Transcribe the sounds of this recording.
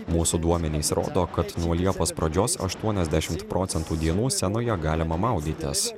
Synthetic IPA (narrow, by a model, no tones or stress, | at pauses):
muːsuːd̪uɔmʲɛnʲeːsɾo̰ːd̪oːkɐt̪nuɔlʲiɛpoːspɾɐd͡ʒʲoːsɐ̰ʃt̪uɔnʲɛzʲd̪ʲæʃʲɪmt̪pɾʔɔːt̪sʲɛnt̪uːd̪ʲiɛnuːsʲɛnoːjɛɡɑːlʲɪmɐmɑˑʊd̪ʲiːt̪ʲɪ̰s